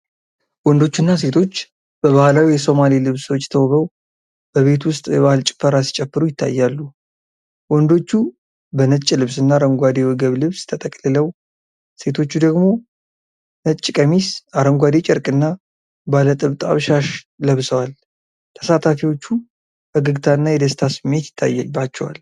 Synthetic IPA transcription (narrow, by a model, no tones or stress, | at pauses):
wɔnd̪o̞t͡ʃːunːas̬e̞t̪ʰo̞t͡ʃː | b̥əβahlawijɛso̞malilɨβsəwot͡ʃːt̪ʰəwβəw | b̥əβe̞t̪wʊst̪ʼjɛβahɨlt͡ʃʼɪ̥fːəɾasi̥t͡ʃʼɛpːɨɾujɪt̪ʰːa̰jːalːu | wɔnd̪o̞t͡ʃːu | bənət͡ʃʼːilɨβsɨnːaɾəŋɡʷad̪ewɔɡəβlɨβst̪ʰət̪ʼəkʼlɨləw | se̞t̪ʰo̞t͡ʃːud̪əɡmo̞ | nət͡ʃʼːkʼəmisʔaɾəŋɡʷad̪et͡ʃʼɪɾkʼɨnːa | balət̪ʼɨβt̪ʼa̰βʃaʃ | ləβsəwal | t̪ʰə̥sat̪ʰafiwo̞t͡ʃːu | ʔəɡɨɡt̪ʰaɨnːajɛd̪əst̪ʰasɨmːe̞t̪jɪ̥t̪ʰːa̰jːbat͡ʃːɛwa̰l